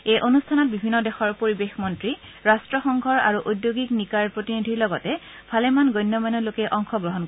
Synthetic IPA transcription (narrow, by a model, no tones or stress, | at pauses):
ejʔonustʰanɔt̚bibʱinːɔdɛxɔɹpoɹibexmɔntɹi | ɹastɹɔxɔŋkʰɔɹa̰ɹuʔudjoɡiknikaɹpɹotinidʱiɹlɔɡɔtɛ | bʰʱalɛmanɡɔjnːɔmanɔlokɛʔɔŋxɔɡɹɔɦɔnk